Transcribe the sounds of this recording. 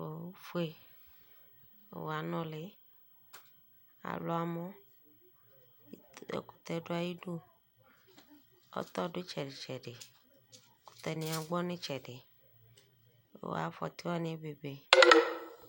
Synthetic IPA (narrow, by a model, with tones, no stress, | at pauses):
o˨˦fu˦e˨ | wa˨nɔ̃˦le˨ | a̰˨lo˨˦a˨mɔ̃˦ | ḛ˨ku̥˨t̪ɛ˨ɖo˦a˦ji˦ɖo˦ | ɔ̰˦t̪ɔ˦ɖe˦t͡ʃɛ˨ɖe˨t͡ʃɛ˨ɖe˨˦ | ku̥˨t̪ɛ˨nĩ˨ã˨ɡ͡bɔ˦nẽ˦t͡ʃɛ˨ɖe˨ | wo̰˦a̰˨fɔ̰˨t̪i˦wa˦nẽ˦e˦be˨be˨